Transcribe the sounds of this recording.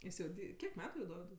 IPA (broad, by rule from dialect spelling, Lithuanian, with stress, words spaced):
ˈjɪs jɛʊ ˈdʲiː ˈkʲiɛk ˈmʲæːtʊ jɛʊ ˈdoːʋʲɪdʊɪ